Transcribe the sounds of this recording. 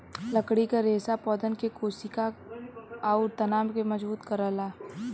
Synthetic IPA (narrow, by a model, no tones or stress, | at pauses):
lɐkɽikaɾeːsapɔːd̪ənkekoːsika | aʊɾt̪ɐnaːmkemɐd͡ʒbuːt̪kɐɾəlaː